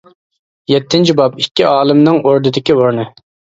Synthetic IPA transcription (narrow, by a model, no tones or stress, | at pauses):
jɛt̪ʰːɪnt͡ʃʰibɑpikʲːiɑːlˠɨmnɨŋʔoɾd̪ɨd̪ɪkʲioɾnɨ